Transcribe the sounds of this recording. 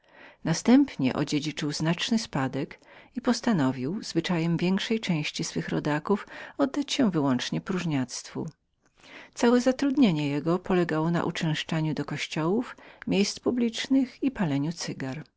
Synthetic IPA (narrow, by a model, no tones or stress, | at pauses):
nast̪ɛmpɲɛ̰ʔɔ̰d͡ʑed͡ʑit͡ʂɘwznat͡ʂnɘspad̪ɛkipɔst̪anɔvʲiwzvɘt͡ʂajɛmvʲjɛŋkʂɛjt͡ʂɛ̃w̃ɕt͡ɕisfɘxɾɔ̰d̪akufɔd̪̚ːat͡ɕɕɛvɘwɔnt͡ʂɲɛpɾuʐɲat̪st̪fṵ | t̪sawɛzat̪ɾud̪ɲeɲɛjɛɡɔpɔlɛɡawɔna̰ʔut͡ʂɛ̃w̃ʂt͡ʂaɲud̪ɔkɔɕt͡ɕɔwufmʲejst̪publʲit͡ʂnɘxipalɛɲut̪sɘɡaɾ